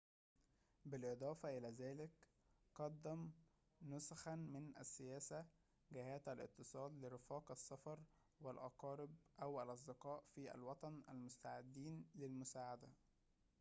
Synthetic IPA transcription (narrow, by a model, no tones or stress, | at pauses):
bɪlʔɨd̪ˤɑːfɑʔɪlæːzæːlɪk | qɑd̪ːæm | nʊsaxænmɪnʔæ̰sːɪjæːsæ | ɡɪhæːt̪ælʔɪ̰t̪ːɨsˤɑːd̪lɪɾɪfɑːqʔɑsːɑfɑɾˤ | wælʔɑqɑːɾɪbʔæwælʔɑs̬ˤd̪ɪqɑːʔfiːʔæ̰lwɑt̪ˤɑnʔælmʊst̪aʕɪd̪ːiːnlɪlmʊsaːʕad̪æ